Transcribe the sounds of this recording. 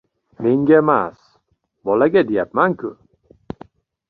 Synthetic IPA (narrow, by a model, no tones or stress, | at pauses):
me̞ŋɡʲaemas | bɒlaɡʲad̪e̞japmankʰʲʊ